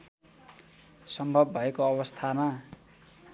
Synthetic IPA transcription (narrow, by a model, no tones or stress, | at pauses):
sʌmbʱʌbːʱʌekoʌβʌst̪ʰama